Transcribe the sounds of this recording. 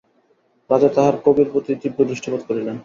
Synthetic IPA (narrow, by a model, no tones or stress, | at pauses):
bad͡ʑat̪aɦaɾkobiɾpɾot̪it̪ibːod̪ɾiʃʈʰopad̪̚koɾilen